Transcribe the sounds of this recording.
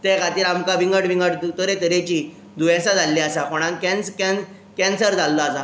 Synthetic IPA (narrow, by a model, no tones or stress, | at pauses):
t̪ekat̪iːlamkaʋiŋɡəʈʋĩŋɡəʈd̪t̪əɾet̪əɾet͡ɕiː | d̪ʱujãsad͡zʱalːiasakɔɽ̃ãŋkɛ̃nskɛn | kɛ̃nsəɾd͡zalːaːsa